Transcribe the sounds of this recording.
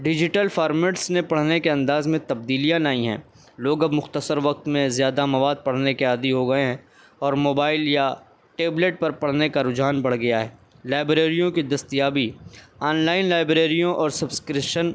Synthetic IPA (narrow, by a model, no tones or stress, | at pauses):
ɖɪd͡ʒɪʈəlfaːɾmeːʈsnepɐɽ̤nekeɐ̃nd̪aːzmẽt̪ɐb̚d̪iːlijãnaːĩɦɛ̰̃ː | loːɡɐbmʊxt̪əsəɾʋɐk̚t̪mẽzjaːd̪amɐʋaːd̪̚pɐɽ̤nekeaːd̪iɦoɡɐeɦɛ̃ | ɔːɾmoːbaːɪlja | ʈeːbleːʈ̚pɐɾpɐɽ̤nekaɾʊd͡ʒɦaːnbɐɽ̤ɡɐjaɦɛː | laːɪbɾeːɾijõkid̪ɐst̪ijaːbiaːnlaːɪnlaːɪbɾeːɾijõʔɔːɾsɐbskɾɪʃən